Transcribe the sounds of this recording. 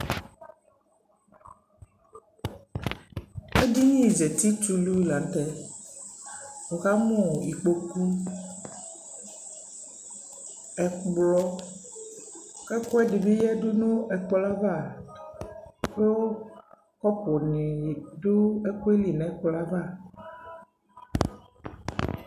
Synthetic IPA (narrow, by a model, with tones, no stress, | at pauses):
e˦di˦ɲĩ˦˨ze˨t̪i˦t͡ʃu˦lu˦i˦˨la˨n˦t̪ɛ˦ | o˨ɣa˦mõ˦˨i˨k͡po˨ku˦ | ɛ˨k͡plɔ˦ | kɛ˦kɔ˦ɛ˦di˨be˦jɛ˦do˦nõ˦ɛ˨k͡pla˦va˦˨ | bo˦ | kɔ˦pɔ˨nĩ˨ɖo˦e˦ku˦e˦li˨nɛ̃˨˦k͡pɔ˦la˦va˦˨